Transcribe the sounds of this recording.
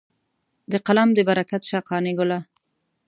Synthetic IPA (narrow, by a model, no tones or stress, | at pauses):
d̪əqalamd̪əbaɾakat̪ʃɑːqɑːniɡʊla